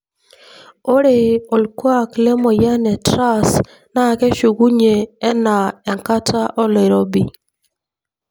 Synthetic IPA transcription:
o˦ɾe˨o˨lkwa˦˨kle˦mɔ˨ja˦nɛ˨tɾa˦s | na˦˨kɛ˦ʃu˨ɡu˦ɲe˨ɛ˦na˨ɛ˨ŋka˦tʰa˦ʔɔ˦le˨ɾo˦bḭ˨

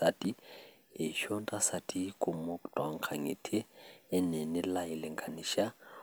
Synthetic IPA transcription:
a˨tʼi˦ | ɪ˨ʃɔ˦n˦tʼa˦sa˨tʼi˦kʼʊ˨mo˦kʼtʼwa˨ŋ̩˨kʰa˨ŋḛ˨tʰɪː˦nɛ˨nɪ˦la˦ɪ˨lɪ˨ŋkʰʼa˨ni˨ʃa˦

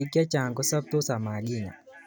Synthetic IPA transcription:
iki˦a˦t͡ʃa˨ŋɡɔ˦sa˦p̚tɔ˦sa˨ma˨lina̰˨

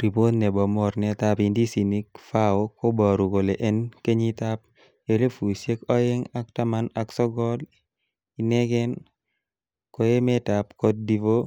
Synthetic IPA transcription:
ɾi˨po˦d̪nɛ˨bɔ˨mɔ˦ɾnɛ˨t̪a˦pi˨ndi˦si˨ni˦k̚fa˦o˦ko˦bɔ˨ɾu˨ko˨le˨ʔɛ˦nke˦ɲi˦t̪a˦p̚ | jo˦le˦fu˨i˨sje˦kɔ˦je˦ŋa˦k̚ta˦ma˦naksɔ˦ɡɔ˦l | i˨nɛ˦ɡɛ˦n | ko˨je˦mɛ˦ta˨pkɔ˦d̚di˦vo˦

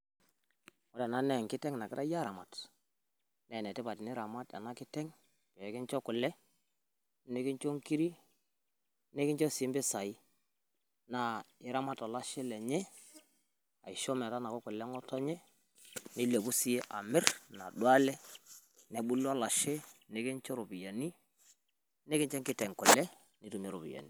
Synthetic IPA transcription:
ɔ˦ɾɛ˨na˦nɛ˦˨ŋkɪ˦tɛ˦ŋna˨kɪ˦ɾʔa˦ja˦ɾa˨ma˨t | nɛ˨nɛ˨tɪ˦ba˨tɪ˨nɪ˦ɾa˨ma˦ta̰˨na˦kɪ˦tɛ˦ŋ | pɛ˨kɪ˦nt͡ʃɔ˦kʊ˨lɛ˦ | nɛ˦kɪ˦nt͡ʃo˦ŋki˦ɾi˦ | nɛ˦kɪ˦nt͡ʃɔ˦si˨˦mbɪ˦sa˨i˦ | na˦ɪ˨˦ɾa˦ma˦ta˨la˦ʃɛ˦lɛ˨ɲɛ˦ | a̰˨ɪ˨ʃɔ˦m˨ɛ˨ta˦na˨kɔ˦kʊ˨lɛ˦ŋɔ˦tɔ˦ɲɛ˦ | nɪ˦le˨ku˦si˦e˦ʔa˨mɪ˦rna̰˨dwa˦lɛ˦ | nɛ˨ɓu˦la˦la˨ʃe˦ne˨kɪ˦nt͡ʃɔ˦ɾu˨bi˨ja˨ni˦ | nɛ˦kɪ˦ɲt͡ʃɛ˦ŋkɪ˦tɛ˨ŋkʊ˨lɛ˦ | ni˦tu˨me˦ɾṵ˨pḭ˨ja̰˨ni˦˨

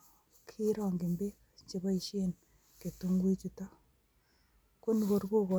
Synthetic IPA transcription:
kʰi˦ɾwa˨ŋɡe˨mbe˦ | t͡ʃe˨βa˦i˨ʃe˦n | ke˨tu˦ŋɡwi˦t͡ʃu˨ta˦ | ko˦ni˨ko˨ɾɡo˦ko˨

